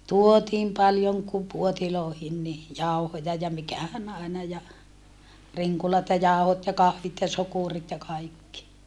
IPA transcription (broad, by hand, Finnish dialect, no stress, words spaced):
tuotiːm pɑljoŋ ku puotiloːhin ni jɑu̞hojɑ jɑ mikæhæn ɑˑinɑ jɑ riŋkulɑt jɑ jɑˑu̞hot jɑ kɑhʋit jɑ sokurit jɑ kɑikːi